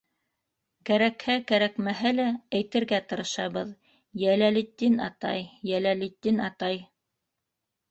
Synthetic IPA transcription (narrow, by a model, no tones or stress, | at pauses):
kæɾækhækæɾækmæɦælææjt̪ɘ̆ɾɡæt̪ɤ̆ɾɤ̆ʃɑβɤð | jælælit̪ːinɑ̰t̪ɑ̰jjælælit̪ːinɑt̪ɑj